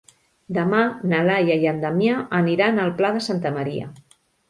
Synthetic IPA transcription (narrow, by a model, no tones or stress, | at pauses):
d̪əmanəlajajənd̪əmjaʔəniɾanəlˠplaðəsant̪əməɾiə̰